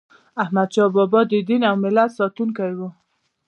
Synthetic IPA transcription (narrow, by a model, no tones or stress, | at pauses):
ahmad̪̚t͡ʃɑbɔbɔd̪əd̪inawmɪlat̪sɑt̪unkajwo